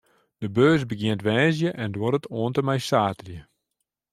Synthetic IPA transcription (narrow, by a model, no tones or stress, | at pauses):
d̥əbøːsbəɡjɪəntʋɛːs̬jəʔɛndwoɾətʰoəntəmɛjsaːtərjə